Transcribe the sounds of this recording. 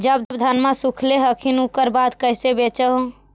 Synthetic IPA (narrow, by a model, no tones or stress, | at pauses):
d͡ʒəb̚d̪bd̪ʱənmasukʰleɦəkʰinukəɾbad̪kəɦsebet͡ʃəɦ